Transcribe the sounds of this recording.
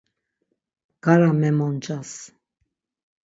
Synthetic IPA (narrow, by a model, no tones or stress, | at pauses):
ɡ̥aɾamɛmɔnt͡ʃʼas